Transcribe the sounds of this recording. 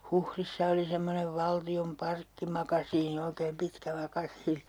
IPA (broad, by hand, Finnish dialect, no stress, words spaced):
huhrisːɑ oli semːoneʋ ʋɑltiom pɑrkːimɑkɑsiːni oikeːm pitkæ mɑkɑsiːni